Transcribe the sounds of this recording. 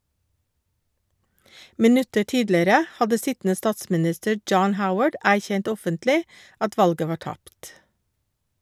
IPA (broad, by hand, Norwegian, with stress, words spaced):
mɪˈnʉtəɾ ˈtiːdləɾə ˈhɑdə ˈsɪtn̩ə ˈstɑːtsmɪˌnɪstəɾ ˈd͡ʒɑːn ˈhaʊwəɖ ˈæːçɛnt ˈɔfəntlɪ ˈɑt ˈʋɑlɡə ˈʋɑː ˈʈɑpt